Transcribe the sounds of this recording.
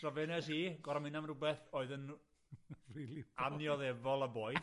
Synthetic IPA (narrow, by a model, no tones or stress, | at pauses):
rɔvɛnɛsiːɡɔɾamɪnamrʊbɛθoːɨðən | riːlianjɔðɛvɔlˠəboːj